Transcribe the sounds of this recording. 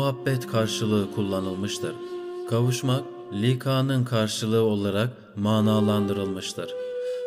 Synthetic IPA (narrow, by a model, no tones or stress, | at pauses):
ɦabːɛt̪kʰaɾʃɯlˠɯɯkʰulˠːanɯlˠmɯʃt̪ʰɯɾ̥kʰavuʃmak̚ | lʲikʰaːnɯnkʰaɾʃɯlˠɯɯo̞lˠaɾak̚ | maːnaːlˠand̪ɯɾɯlˠmɯʃt̪ʰɯɾ̥